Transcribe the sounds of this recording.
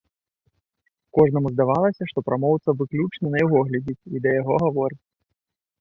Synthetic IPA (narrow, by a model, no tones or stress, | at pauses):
kɔʐnɐmuzd̪avalˠɐsʲɐʂt̪ɔpɾamɔwt̪sɐvɨklʲut͡ʂnɐnɐjaɣɔɣlʲad͡zʲit͡sʲid̪ɐjaɣɔɣavɔɾɨt͡sʲ